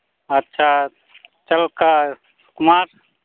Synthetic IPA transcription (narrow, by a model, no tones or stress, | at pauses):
ətːʃʰa | t͡ʃəlka | skmaɾ